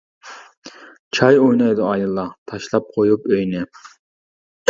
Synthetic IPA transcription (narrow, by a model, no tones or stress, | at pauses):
t͡ʃʰɑjojnɑjd̪ʊɑjɨlˠːɑt̪ʰɑʃlˠɑp̚qʰojupøjnɪ